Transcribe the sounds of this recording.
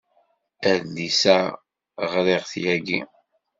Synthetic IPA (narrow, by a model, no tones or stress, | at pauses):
æðlisæ | ʁɾeʁθjæɡḭ